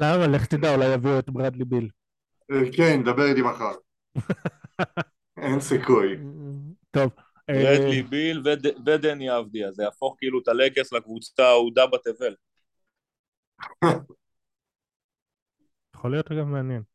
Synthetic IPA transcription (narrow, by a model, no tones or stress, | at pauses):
lamaleχt̪id̪aulajaviuet̪bʁad̪libil | kend̪abeʁit̪imaχaʁ | ensikuj | t̪o̞v | eelibilved̪ved̪eniavd̪iazejafo̞χkiilut̪alekeslakvut͡sḁt̪aud̪abat̪evel | jaχolijo̞tʁaɡavmeanjen